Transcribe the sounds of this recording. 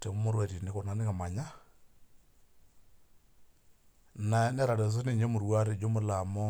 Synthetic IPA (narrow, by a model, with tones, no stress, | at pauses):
tɛ˨˦mo˦ɾwɛ˨ɾi˨ne˨˦ko˨na˨˦ne˦ka˨ma˨ɲa˦ | na˨˦nɛ˦ɾa˨ɾɛ˨s̬ɔ˦ne˦˨ɲe˦mu˨ɾwa˦ɾe˨d͡ʒo˦mʊ˦la˨mɔ˦